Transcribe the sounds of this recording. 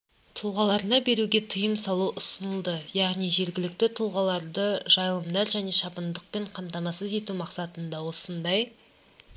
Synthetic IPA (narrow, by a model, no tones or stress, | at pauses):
t̪ʰʊlˠʁɑlˠɑɾlˠɑbe̞ɾuɡʲe̞t̪ʰəjəmsɑlˠuʔʊsənəlˠd̪əjɑʁnijʒe̞ɾɡʲɪlɪk̚t̪ɪt̪ʰʊlˠʁɑlˠɑɾd̪əʒɑjlˠəmd̪ɑɾʒæne̞ʃɑpənd̪əq̚pe̞ɴqʰɑmt̪ɑmɑsəze̞t̪umɑqsɑt̪ənd̪ɑwo̞sənd̪ɑj